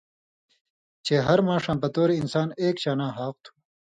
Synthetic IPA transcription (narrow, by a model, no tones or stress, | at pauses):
t͡ɕeːɦɐɾmãːʂãːpɐt̪oːɾeinsaːneːkt͡ɕaːnãːɦaːq̚t̪ʰu̥